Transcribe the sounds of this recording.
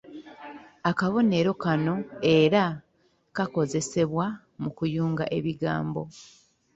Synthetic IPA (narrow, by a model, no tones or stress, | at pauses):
akaβo̞ne̞ɾo̞kano̞e̞ɾa | kako̞ze̞se̞βwa | mukujuːŋɡaʔe̞βiɡa̰ːmbo̞̰